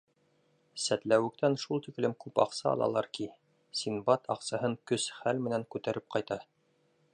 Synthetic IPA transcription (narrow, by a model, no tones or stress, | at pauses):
sæt̪læwɘ̆kt̪ænʃulˠt̪iklɘmkʉpɑ̰qsɑ̰ɑ̰lˠɑ̰lˠɑɾki | sinbɑt̪ʰɑqsɑhɤŋkɵsχælmɘ̆næŋkʉt̪æɾʔɘp̚qɑjt̪ɑ